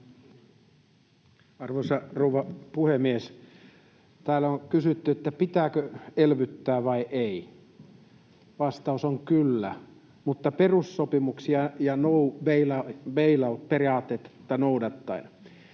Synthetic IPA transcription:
ɑrʋoisɑrouʋɑpuhemːies | t̪æːlːæoŋkysyt̪ːyet̪ːæpit̪æːkøelʋyt̪ːæːʋɑiʔei | ʋɑst̪ɑusoŋkylːæ̰ | mut̪ːɑperussopimuksiɑjɑnouʋeilɑʋeilɑot̪periɑːt̪ːet̪ːt̪ːɑnoudɑt̪ːɑin

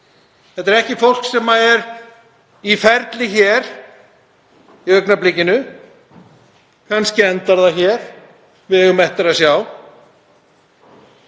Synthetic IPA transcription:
θɛht̪ɛɾɛhcɪfowl̥ksɛmːaɛɾ | ifɛɾt̪lɪçɛɾ̥ | iœɥknaplɪcɪnʏ | kʰanscɪɛnt̪aɾðaçɛɾ̥ | vɪðɛɣʏmɛht̪aɾasjaw

